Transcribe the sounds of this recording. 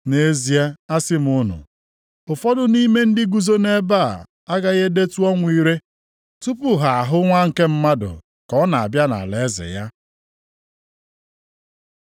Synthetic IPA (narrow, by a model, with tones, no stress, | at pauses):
ne˨˦zi˦a˦a˦sɪ˦m˨ʊ˦nʊ̰˨ | ʊ˨fɔ˦dʊ˦ni˦me˦n̩˦dɪ˦ɡu˦zo˦ne˦ba˦˨ | a˦ɡa˦ɣe˦de˦tu˦ɔ˦ŋʷ˦i˦ɾe˦ | tu˦pʊ˦ɦa˨a˨ɦʊ˦ŋʷa˦ŋ̩˨ke˦m̩˦ma˦dʊ̰˨ | kɔ˦na˨a̰˨bja˦na̰˨le˨˦zɪ̰˨ja˦